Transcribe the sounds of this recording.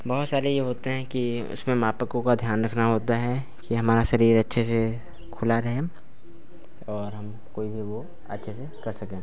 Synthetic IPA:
bɐɦʊt̪saːɾejeɦoːt̪eɦɛ̃ki | ʊ̰smẽmaːpəkõkad̪ʱjaːnɾɐkʰnaɦoːt̪aɦɛ | kiɦɐmaːɾaʃɐɾiːɾɐtːʃʰese | kʰʊlaɾɐɦe | ɔːɾɦɐm | koːibʱiʋo | ɐ̰tːʃʰesekɐɾsɐkẽː

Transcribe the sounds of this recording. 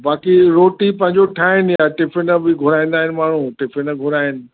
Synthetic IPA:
baːkiɾoːʈipɐ̃ɦɪ̃ɲd͡ʑoʈʰaːɦɪnjaʈɪfʰɪnəbɪɡʱʊɾaːĩːn̆d̪aːɦɪnɪ̆maːɳ̤ũʈɪfʰɪnəɡʱʊɾaːɦɪnɪ̆

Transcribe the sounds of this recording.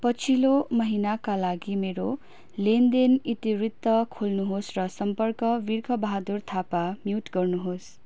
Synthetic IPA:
pʌt͡sʰilomʌɦinakalaɡimeɾo | lend̪enit̪irit̪ːʌkʰolnuɦosrʌsʌmpʌrkʌʋirkʰʌbʌɦad̪urt̪ʰapamjuʈɡʌrnuɦos

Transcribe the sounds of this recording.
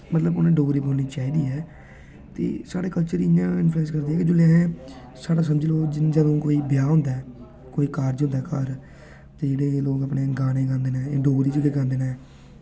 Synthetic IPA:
mət̪ləbʊnẽːɖoːɡɾiːboːlniːt͡ʃaːiːd̪iːɛː | t̪ḛːsaːɽeːkəlt͡ʃəɾdiɪɲãːɪnfʰlɛːskəɾd̪iːɦɛːked͡ʒoːlãːɦẽː | saːɽaːs̬əməd͡ʒloːd͡ʒd͡ʒəd̪õːkoːiːbɪjaːɦʊ̃nd̪aː | koːiːkaːɾd͡ʒõnd̪aɛːkaːɾ | t̪eːd͡ʒeːɽeːloːɡəpneːɡaːnẽːɡãːnd̪eːnãːɖoːɡɾiːd͡ʒəɡeːkãːnd̪eːnaː

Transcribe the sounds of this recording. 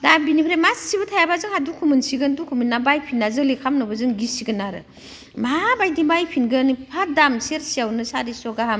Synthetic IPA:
dabinipʰɾemassibɐtʰajabazɯŋadukʰumɯnsiɡɯndukʰuminːabajpʰinːazɯŋlikʰamnɔbazɯŋɡisiɡɯnaɾɯ̰ | mabajdibajpʰinɡɯnipʰadamseɾsiawnɯsaɾisɔɡaɦam

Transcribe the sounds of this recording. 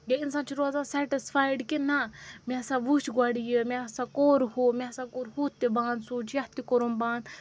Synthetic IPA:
ɡeinsãːnt͡ʃʰiɾoːzãːsɛːʈisfaːjɖkinamẽsãʋut͡ʃɡaːɽijemẽɐsãːkoːɾhomẽɐsãːkoːɾhuːt̪ːebaːnd̪suːt͡ʃʰjɐht̪ikoɾumbãːnd̪

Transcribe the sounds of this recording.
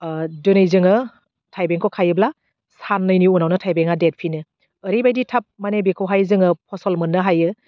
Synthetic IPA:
dɯnɯjzɯŋɯ | tʰajbeŋkʰokʰajɯbla | sanːɯjniunawnɯtʰajbeŋadet̚pʰinɯː | ɾibajditʰap̚manebikʰowɦajzɯŋɯp̚ʰɔsɔlmɯnːɯɦajɯ

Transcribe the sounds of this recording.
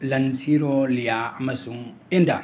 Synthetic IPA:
lɐnsiɾolijaːmɐsuŋ | enda̰

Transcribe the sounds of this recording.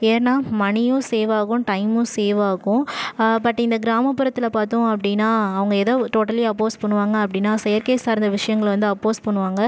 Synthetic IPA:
eːɾnaːmɐɳɪjʊ̃seːʋaːɣʊ̃ʈɐɪmʊ̃seːʋaːɣʊ̃pɐʈːɪnd̪ɐɡɪɾaːmɐpːɪɾɐt̪ːɪlɐpaːɾt̪õːɐpːɐɽɪnːaːɐʋɐŋɡɐɛðɐʈoːʈːɐleɐpːoːspɐɳːɯʋaːŋɡɐːpːɐɽɪnːaːsɛjɐɾkeːssaːɾɯnd̪ɐʋɪʂɐjɐŋɡɐɭʋɐnd̪ɯɐpːoːspɐɳːɯʋaːŋɡɐ

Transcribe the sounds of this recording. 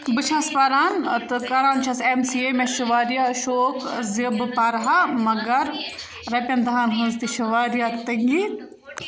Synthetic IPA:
bɨt͡ʃʰaspɐɾaːnt̪ɨkɐɾaːnt͡ʃʰɐsemsiemeʃɐʋaːɾijaːʃoːkzibɨpɐɾɦamɐɡɐɾ | ɾɐpʲɐnd̪ɐɦaːnɦɐnzt̪iʃɐʋaːɾjat̪ɐŋɡi

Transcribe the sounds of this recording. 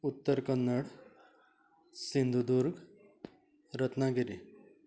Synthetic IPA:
ut̪ːəɾkənːəɽ | sind̪ʱud̪uɾɡ | ɾət̪naɡiɾi

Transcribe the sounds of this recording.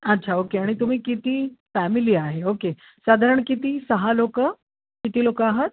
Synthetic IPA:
ətːt͡ɕʰaokeaɽ̃it̪um̤iːkit̪iːfæmiliːaɦeoke | sad̪ʱaɾəɳkit̪iːsəɦalokə | kit̪iːlokəaɦət̪̚

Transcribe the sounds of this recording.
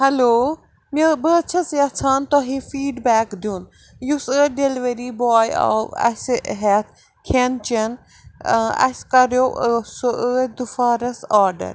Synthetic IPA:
hɛloː | mibəːt͡ʃʰɐsiɐt͡sʰaːnt̪oɦĩfiːɖbɛːkd̪ʱjuːn | jusɨːɖeliʋɐɾibɔːjɔ̰ʋɐ̰sɦɛt̪ʰ | kʰent͡ʃɐn | ɐ̰skɐɾjoːʔsəd̪ufaːɾɐsaːɾɖə̰ɾ

